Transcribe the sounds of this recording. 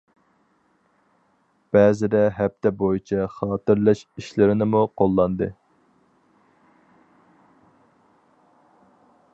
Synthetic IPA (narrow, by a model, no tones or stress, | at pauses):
b̥ɛːzɪd̪ɛɦɛp̚t̪ʰɛbojit͡ʃʰɛχɑːt̪ɨɾlˠɛʃiʃlɪɾɪnɪmuqʰolˠːɑnd̪ɨ